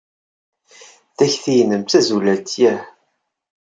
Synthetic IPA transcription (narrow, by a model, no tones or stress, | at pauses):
θæçθijənəmt̪æzulæt̪jæh